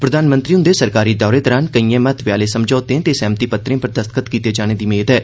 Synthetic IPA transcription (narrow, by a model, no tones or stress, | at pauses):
pɾəd̪aːnmə̃nt̪ɾiːʊnd̪eːsəɾkaːɾiːd̪ɔːɾeːt̪ɔːɾaːnkəiːɛ̃ːmət̪ʋjaːleːsəmd͡ʒɔːt̪ẽːt̪eːsɛ̃ːmt̪iːpət̪ɾẽːpəɾd̪əst̪kət̪kiːt̪eːd͡ʒaːñeːd̪iːmeːd̪ɛː